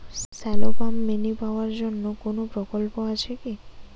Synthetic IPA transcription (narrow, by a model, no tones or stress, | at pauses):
sɛlopamːenipaoaɾd͡ʑonːokonopɾokolpoat͡ʃʰeki